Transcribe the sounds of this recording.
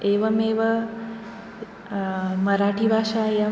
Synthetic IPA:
eːʋɐmeːʋɐ | mɐɾaːʈibʱaːʃaja

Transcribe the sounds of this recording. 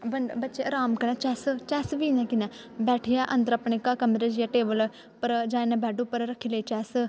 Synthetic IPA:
bəɳɖbətːt͡ʃeːəɾaːmkənɛ̃ːt͡ʃɛːst͡ʃɛːsʋiːnɛ̃ːkɪnaː | bɛːʈʰijaːʔənd̪əɾəpɳeːkakəmɾeːd͡ʒjaːʈeːbəl | pəɾd͡ʒaːenãːbɛːɖuːpəɾɾəkʰːiləiːt͡ʃɛːs

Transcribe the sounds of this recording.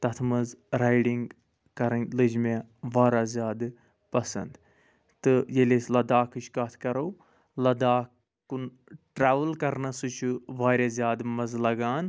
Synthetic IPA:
t̪ɐt̪ʰmɐzɾaːjɖiŋɡ | kɐɾɐnʲlɨd͡ʒmeʋaːɾaːzʲjaːd̪ | pɐsɐ̰nd̪ | t̪ɨjeleslɐd̪aːkʰɨt͡ʃʰkɐt̪ʰkɐɾow | lɐd̪aːk | kun | ʈɾaːʋəlkɐɾnɐsut͡ʃʰuʋaːɾʲazʲjaːd̪mɐzlɐɡaːn

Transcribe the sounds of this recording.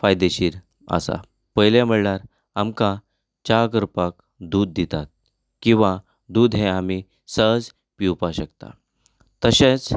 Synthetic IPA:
fajd̪eɕiːɾ | a̰sa̰ | pəɦjljam̤əɭɳaɾ | amkã | t͡ɕakəɾpak | d̪uːd̪̚ːit̪at̪̚ | kĩw̃ʋa | d̪uːd̪ʱɦẽami | səɦd͡z | piwpaɕəkt̪a̰ | t̪əɕẽt͡s

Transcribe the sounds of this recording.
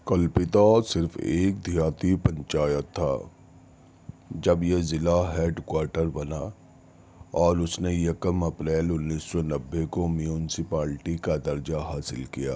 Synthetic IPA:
kɐlpɪt̪asɪɾfḛːk̚d̪ʱijaːt̪ipɐ̃ɲt͡ʃaːjət̪ʰːa̰ː | d͡ʒɐbjezɪlaɦeːɖkwaːɾʈəɾbɐna | ɔːɾʊsnejɐkəmɐpɾɛːlʊnːiːssɔnɐbːekomjuːnɪsɪpaːlʈikad̪ɐɾd͡ʒaɦaːsɪlkija̰ː

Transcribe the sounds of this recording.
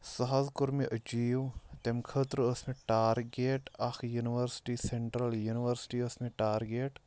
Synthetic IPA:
sɐɦazkʊɾmeʔɐd͡ʒiːʋt̪emkʰət̪ɾəsmẽʈaːɾɡeːʈɐxʰjuniʋəɾsʈiseɳʈɾəljuniʋəɾsʈiəsmeʈaːɾɡeːʈ

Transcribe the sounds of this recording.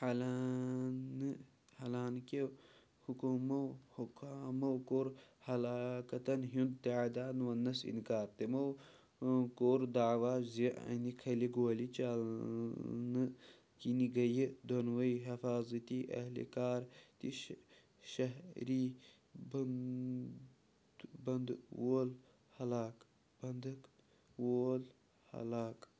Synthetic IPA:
hɐlan | hɐlaːnke | hukumɐwhukaːmɐwkoːɾhɐlaːkɐt̪ɐnɦund̪t̪iaːd̪aːnʋɐnːɐsḭnkaːɾt̪emɐw | koːɾd̪aːʋaːzeʔɐ̰nikʰɐliɡoːlit͡ʃa | nɨ | kiniɡɐjid̪ɐnwɐiɦɐfaːzɐt̪iʔɐ̰hlḭkaːɾt̪iʃ | ʃɐɦɾi | b | bɐnd̪woːl | hɐlaːk | bɐnd̪ɐk | woːl | hɐ̰laːk

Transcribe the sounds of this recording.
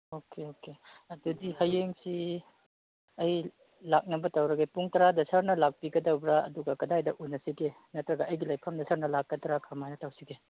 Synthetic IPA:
okeoke | ɐdudihɐjeŋsi | ɐj | lak̚nɐbɐtɐwɾɐɡepuŋtɐɾadɐsɐɾnɐlak̚piɡɐdɐwbɾaɐ̰duɡɐkɐdajdɐʔunːɐsiɡe | nɐtɾɐɡɐʔɐjɡilɐjpʰɐmdɐsʰɐɾnɐlakːɐdɾakʰɐmajnɐtɐwsiɡe

